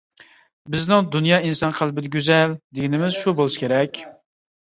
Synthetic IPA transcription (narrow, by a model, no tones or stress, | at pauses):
bɪznɪŋd̪unjɑːinsɑnqʰælˠbɪd̪ɛɡʲøzɛld̪eɡʲinɪmɪz̥ʃubolˠɨʃkʲʰeɾɛkʲ